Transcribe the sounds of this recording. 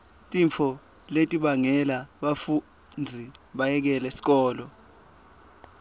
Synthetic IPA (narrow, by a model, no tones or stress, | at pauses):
tʼiɱfʰɔ | letʼiɓaŋɛlaɓafu | nd͡zʱiɓajɛk̬ɛlɛesi̥k̬ɔːlɔ